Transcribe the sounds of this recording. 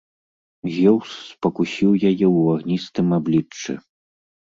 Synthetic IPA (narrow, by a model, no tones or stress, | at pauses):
ɣʲɛwsːpɐkusʲiwjajɛaɣnʲist̪ɨmablʲit͡ʂːɛ̰